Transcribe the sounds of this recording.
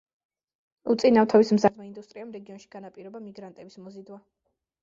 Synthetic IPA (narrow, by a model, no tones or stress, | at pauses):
ut̪sʼinaft̪ʰavismzad̪maind̪ust̪ʼɾiamɾɛɡiɔnʃiɡ̥anapʼiɾɔbamiɡɾant̪ʼɛbismɔzid̪wa